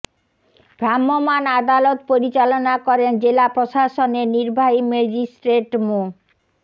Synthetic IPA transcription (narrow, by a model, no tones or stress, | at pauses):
bʱɾamːomanad̪alot̪poɾit͡ɕalonakɔɾend͡ʑelapɾoʃaʃoneniɾbʱaɦimed͡ʑisʈɾeʈmu